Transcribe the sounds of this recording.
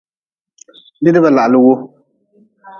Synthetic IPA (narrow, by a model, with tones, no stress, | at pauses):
bɪ˦dɪ˦ba˨la˨ʔlɨ˦wo˦